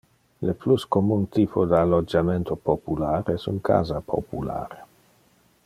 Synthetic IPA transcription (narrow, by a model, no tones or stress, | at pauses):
lepluskomunt̪iːpʰod̪əalod͡ʒament̪opopulaːɾɛsṵŋkʰa̰ːzapʰo̰pula̰ːɾe